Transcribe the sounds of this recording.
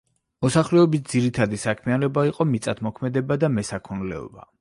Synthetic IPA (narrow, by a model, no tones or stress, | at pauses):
mɔsaχlɛɔbisd̪ziɾit̪ʰad̪isakʰmianɔbaiqʼɔmit̪sʼat̪ʰmɔkʰmɛd̪ɛbad̪amɛsakʰɔnlɛ̰ɔ̰ba